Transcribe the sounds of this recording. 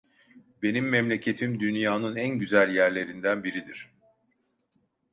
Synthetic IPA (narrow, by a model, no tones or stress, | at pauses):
be̞nimːɛmlʲe̞cʰe̞t̪ʰimd̪ynjaːnɯnænɟyzælʲjæɾlʲe̞ɾind̪ænbiɾid̪iɾ̥